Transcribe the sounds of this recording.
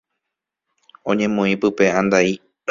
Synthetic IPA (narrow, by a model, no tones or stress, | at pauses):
õɲẽ̞mõĩpɨpe̞ãnd̪ai